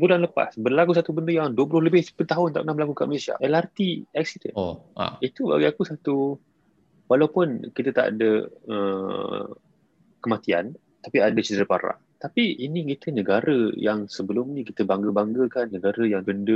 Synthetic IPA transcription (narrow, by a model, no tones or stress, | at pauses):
bulanləpa̰sbərlakus̬at̪ubəndəjaŋduəpulʊhləbɪhpət̪aɦʊnt̪a̰ʔkənahbəlakukaʔməlesia̰ʔɛlart̪iɛk̚sidə̰na̰it̪uba̰ɡiakusat̪u | walawpʊnkit̪ət̪a̰ʔa̰dəə | kəmat̪ia̰n | t̪apiadət͡ʃəd̪əɾəpa̰ɾa̰ʔ | t̪apiʔinĩkit̪ənəɡaɾəjaŋsəbəlʊmnĩkit̪əbaŋɡəbaŋɡəkanːəɡaɾəjaŋbəndə